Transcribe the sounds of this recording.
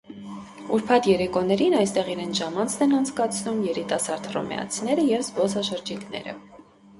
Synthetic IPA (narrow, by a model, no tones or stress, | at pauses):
uɾpʰɑt̪jɛɾɛkɔnɛɾinɑjst̪ɛʁiɾɛnʰʒɑmɑnt͡sʰnɛnɑnt͡sʰkɑt͡sʰnumjɛɾit̪ɑsɑɾd̪rɔ̰mɛ̰ɑ̰t͡sʰinɛɾəjɛvzbɔsɑʃəɾd͡ʒiknɛ̰ɾə̰